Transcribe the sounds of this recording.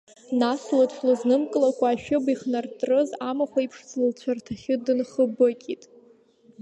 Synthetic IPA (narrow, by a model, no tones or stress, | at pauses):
naslat͡ɕʷlɨznɨmkʼɨlakʷʰaːʃᶣʊbiχnartʼrɨzamaχʷaipʰʂt͡sʰlɨlt͡ɕʷʰartʰaχʲɪdɨnχəbɨkʲʼitʼ